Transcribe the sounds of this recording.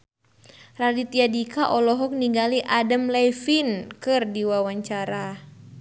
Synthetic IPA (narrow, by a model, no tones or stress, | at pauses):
ralit̪iadikaʔɔlɔɦɔk̚niŋɡaliʔadamlɛjfinkɨrdiwawaɲt͡ʃaɾa